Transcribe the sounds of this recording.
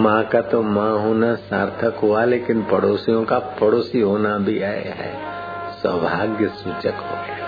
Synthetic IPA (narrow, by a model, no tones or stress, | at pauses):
mãkat̪omãɦoːnasaːɾt̪ʰəkɦualeːkɪnpɐɽoːsijõkapɐɽoːsiɦoːnabʱia̰ɦɛ̰ː | swəbʱaːɡjəsut͡ʃəkɦo̰ːe